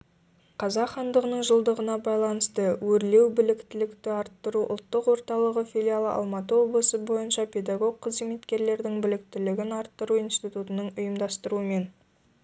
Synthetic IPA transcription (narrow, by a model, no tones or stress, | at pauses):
qʰɑzɑqχɑnd̪əʁənəɴʒəlˠd̪əʁənɑbɑjlˠɑnəst̪əwɵɾle̞wbɪlɪkt̪ɪlɪkt̪ɪɑɾt̪ːəɾuʔʊ̰lˠt̪ːəqwo̞ɾt̪ɑlˠəʁəfʲilʲijalˠəʔɑ̰lˠmɑt̪əwo̞blˠəsəbo̞jənʃɑpʲʰe̞d̪ɑɡo̞ɡ̚qʰəzemet̪kʲe̞ɾle̞ɾd̪ɪŋbɪlɪk̚t̪ɪlɪɡʲɪnɑɾt̪ːəɾuijnst̪it̪ut̪ənəɴʊjəmd̪ɑst̪əɾuəme̞n